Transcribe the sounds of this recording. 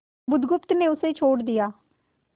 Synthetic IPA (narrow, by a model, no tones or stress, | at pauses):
bʊd̪ɡʊpt̪neːʊseːt͡ʃʰoːɽd̪ɪjaː